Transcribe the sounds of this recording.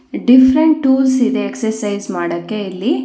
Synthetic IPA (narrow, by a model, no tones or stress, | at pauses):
ɖifʰɾeɳʈʈːuːlsid̪eːksɐɾsɐjzmaːɽɐkːe̞ilːi